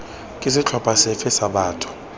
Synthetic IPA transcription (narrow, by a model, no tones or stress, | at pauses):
kʼis̬ɪt͡ɬʰɔpʰʼasɛfɛsaɓaːtʼʰɔ̥